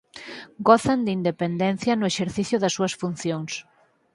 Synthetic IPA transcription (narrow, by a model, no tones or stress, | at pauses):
ɡoθand̪ind̪epend̪ɛn̟θjɐnʊeʃeɾθiθjʊðɐsːuɐsfun̟θjoŋs